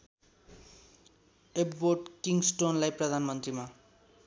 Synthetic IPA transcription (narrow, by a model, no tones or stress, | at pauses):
ebboʈkiŋɡsʈonlajprʌd̪ʱanmʌnt̪rima